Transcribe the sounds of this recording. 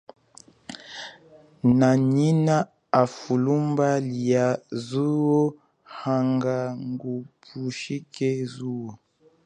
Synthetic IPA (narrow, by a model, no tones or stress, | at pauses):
naɲina | afulumbaliazuwo | haŋɡaŋɡupʰuʃikezuwo